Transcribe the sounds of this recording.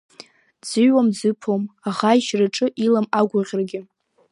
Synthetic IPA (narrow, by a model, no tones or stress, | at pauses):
d͡zɨɥwamd͡zɨpʰomaʁaiʃraʈ͡ʂʼɨʔilamaɡʷʊʁʲrɡʲɪ